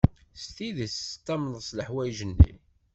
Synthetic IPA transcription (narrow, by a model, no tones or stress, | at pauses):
st̪iðəst̪ːɑmnsləħwæjʒənːḭ